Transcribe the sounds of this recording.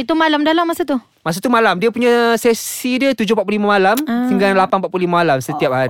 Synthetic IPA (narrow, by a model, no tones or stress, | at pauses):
it̪umalamdalamːasat̪u | mas̬at̪umalamdiəpuɲãsesidiat̪ud͡ʒʊpat̪̚plulimamalamsəŋɡanlapanpaʔ̚plulimamalamsət̪iap̚haɾi